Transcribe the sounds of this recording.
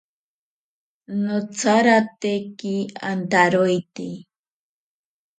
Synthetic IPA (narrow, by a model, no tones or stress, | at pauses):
not͡saɾat̪ekia̰nt̪aɾojt̪e